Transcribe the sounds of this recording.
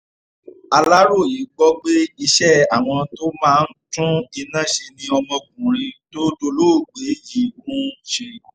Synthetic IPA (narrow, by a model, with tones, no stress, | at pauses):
a˧la˦ɾo˦˨i˨˦ɡ͡bɔ˦ɡ͡be˦i˧ʃɛ˦a˨w̃ɔ̃˧to˦mãː˦˧n̩˦tũ˦i˧nã˦ʃe˧nĩ˧ɔ˧mɔ̃˧ɡ̚ũ˨ɾ̃ĩ˧to˦do˧lo˦˨ɡ͡be˨˦ji˨ɡũ˨˦ʃe˧